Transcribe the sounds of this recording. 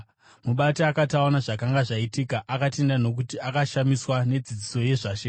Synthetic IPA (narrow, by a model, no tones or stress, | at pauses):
muɓatiakataonaʐakaŋɡaʐaitikaʔakate̞ndano̞k̬utiakaʃamiswane̞d͡zid͡ziso̞je̞ʐaʃe